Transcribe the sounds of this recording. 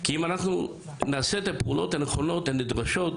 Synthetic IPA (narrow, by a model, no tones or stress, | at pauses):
kiimanaχnu | naːset̪apeulo̞̰t̪aneχo̞no̞t̪anid̪ʁaʃo̞t̪